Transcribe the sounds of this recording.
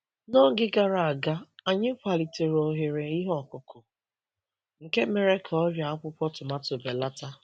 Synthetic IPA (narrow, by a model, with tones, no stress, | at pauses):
nɔ˦ɡɪ˦ɡa˨ɾa˨a˨ɡa˦a˨ɲɪ˦kʷa˨li˨te˨ɾo˨ɦe˨ɾe˨i˦ɦɔ˦˨kʷʊ˨kʰʊ˨ | ŋ̩˨ke˦me˨ɾe˦kʰa˨ɔ˦ɾja˨a˦kʊ˦pʷɔ˦tʊ˨ma˦tʊ˨be˨la˦ta˦